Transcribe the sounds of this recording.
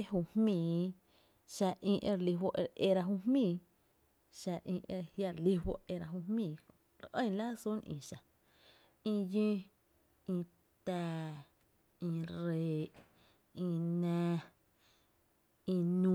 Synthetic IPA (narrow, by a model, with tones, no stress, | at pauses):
e˦ɦu˧˨hmĩː˧˨ | ʃa˧ʔĩ˧ʔe˧ɾli˧wo˧ʔʔe˧ɾa˧ɦu˧hmĩː˧˨ | ʃa˧ʔĩ˧˨ʔe˧hja˧ɾli˧wo̰˦ʔe˧ɾa˧ɦu˧mmĩː˧˨ | ɾʔə̃˦jla˦su˦nʔḭ̃ː˨ʃa˨ | ĩ˧jĩ˦ | ĩ˧ | t̪ɛː˧ | ĩ˧ɾeː˨ʔ | ĩ˧nɛ̃ː˧ | ĩ˧nũ˧˦